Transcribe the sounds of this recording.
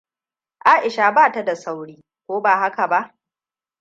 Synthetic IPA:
ʔaː˦ʔɪ˨ʃaː˨baː˦˨ta˦da˨sa˦wɽiː˦ | kʷoː˦baː˨ɦa˦ka˨ba˦ʔ

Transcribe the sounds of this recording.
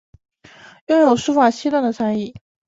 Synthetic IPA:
jʊ˥˧ŋjo˨˩ʊʂu˥fa˨˩ɕi˥t̪wa˥˩nd̪ə˩t͡sʰa˥ni˥˩

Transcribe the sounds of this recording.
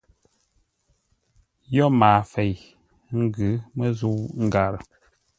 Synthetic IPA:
jɔ˦maː˨fe˨j | ŋ̩˦ɡʉ˨˦mə˦zu˦ŋ̩˦ɡa˨ɾə˨

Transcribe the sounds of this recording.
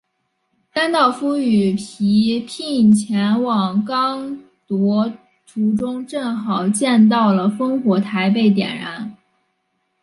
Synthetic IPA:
t̪a˥nt̪ɑ˥˩ʊfu˥y˨˩pʰi˧˥pʰi˥˩ŋt͡ɕʰjɛ˧˥nwɑ˨˩ŋkɑ˥ŋ | t̪wɔ˧˥ | ʈ͡ʂʰu˧˥ʈ͡ʂʊ˥ŋʈ͡ʂɤ˥˩ŋxɑ˨˩ʊt͡ɕjɛ˥˧nt̪̬ɑ˥˩ʊlə˩fɤ˥ŋxwɔ˧˥t̪ʰa˧˥ɪp̬e˥˩ɪt̪̬jɛ̰˨˩nɻa˧˥n

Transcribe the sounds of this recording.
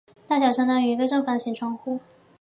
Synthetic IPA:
t̪a˥˩ɕ̬jɑ˨˩ʊʂɤ˥ŋt̪a˥ŋy˨˩i˧˥ɡə˧ʈ͡ʂɤ˥˧ŋfa˨˩d̪ə˩ɕi˨˩ŋʈ͡ʂʰwɑ˧˥ŋxu˥˩

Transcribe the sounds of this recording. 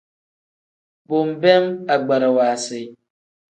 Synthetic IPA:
bʊ˨m̩˨bɛ˦ma˨ɡ͡ba˨ɾa˨waː˨sɪ˨

